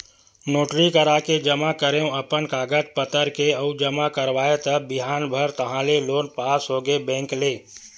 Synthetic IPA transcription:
noːʈɾikəɾaked͡ʒəmakəɾeũəpənkaːɡət̪̚pət̪əɾkeəud͡ʒəmakəɾʋaːet̪əːɪɦaːnbʱəɾt̪əɦãleloːnpaːsɦoːɡebɛ̃ːŋkleː

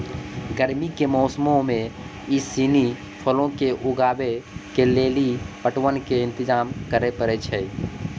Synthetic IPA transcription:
ɡəɾmikemɔʊsmõmẽ | ɪsiːni | pʰəlõkeʔʊɡaːbekeleːlipəʈwənkeɪ̃nt̪ɪd͡ʒaːmkəɾepəɾet͡ʃʰɛ

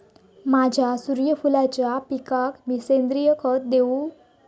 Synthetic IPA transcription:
mad͡ʑʱjasuɾjəfulat͡ɕjapikakmisend̪ɾijəkʰət̪̚d̪eu

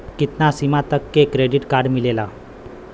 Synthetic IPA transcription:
kit̪nasimat̪əkːekɾeɖiʈkaɾɖmilela

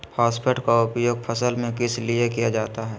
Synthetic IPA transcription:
pʰaːspʰeʈkaʊpjoːɡ̚pʰəsəlmẽkɪsliekijad͡ʒaːt̪aɦɛː

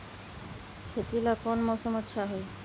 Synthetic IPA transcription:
kʰet̪ilakɔnmɔʃɔmɔt̪ːʃʰaɦɔe

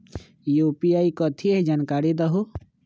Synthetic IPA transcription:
juːpijaːikɔt̪ʰieɦd͡ʒaːnkaːɾid̪ɐɦu

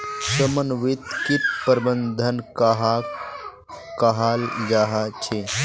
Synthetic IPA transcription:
sɐmənʋit̪kitpəɾbənd̪ʱənkaɦa | kaɦaːld͡ʒaɦat͡ʃʰe

